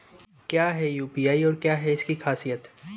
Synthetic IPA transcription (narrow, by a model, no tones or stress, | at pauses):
kjaːɦɛjuːpiːaːiɔːɾkjaːɦɛɪskixʰaːsijət̪